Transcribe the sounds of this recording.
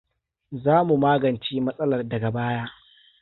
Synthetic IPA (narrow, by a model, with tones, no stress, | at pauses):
zaː˦mu˨maː˦ɡɐ˨nt͡ʃiː˦mɐ˦sʼɐ˦lɐ˨rdɐ˨ɡɐ˨baː˦jaː˦